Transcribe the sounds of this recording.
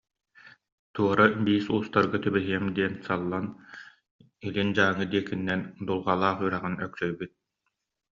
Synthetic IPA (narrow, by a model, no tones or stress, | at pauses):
t̪uɔɾabiːsuːst̪aɾɡɯt̪ybɛɦiɛmd̪iɛnsalˠːan | ilind͡ʑaːŋːɯd̪iɛkinːɛnd̪ulˠʁalˠaːχyːɾaʁɯnœksœjbyt̪̚